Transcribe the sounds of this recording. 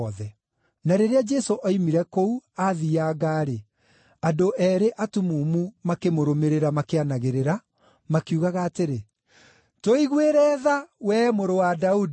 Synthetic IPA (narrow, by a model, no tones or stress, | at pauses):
ðɛ | naɾeɾead͡ʒɛsoʔaimiɾɛkouaðiaɡaːɾe | adoʔɛɾeʔatumuːmumakemoɾomeɾeɾamakeanaɣeɾeɾa | makiuɣaɣaːteɾe | toiɣweɾɛːðawɛːmoɾowadaudi